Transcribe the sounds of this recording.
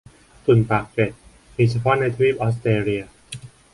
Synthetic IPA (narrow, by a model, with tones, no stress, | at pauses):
t̪ʰu˨˩npaː˨˩k̚ke˨˩t̪̚ | hiː˧˩t͡ɕʰa˧pʰɔː˦˥na˧jt̪ʰwiː˥˩p̚ʔɔː˦˥s̬t̪eː˧ɾi˧ɐ